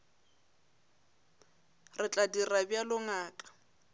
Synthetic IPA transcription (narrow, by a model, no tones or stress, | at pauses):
rɪt͡ɬʼadirabjalʊŋaːkʼḁ